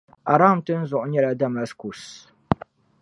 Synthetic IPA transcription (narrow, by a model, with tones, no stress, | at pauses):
ʔa˨ɾa˦˨mtɨ˦n̩˦zʊ˨ʔɲɛ˦la˦da˦ma˦sku˨s